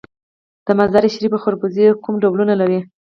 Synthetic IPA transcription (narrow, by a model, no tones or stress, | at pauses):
d̪̥əmazaɾeʃɾibaxoɾbuzikumɖawlunalaɾi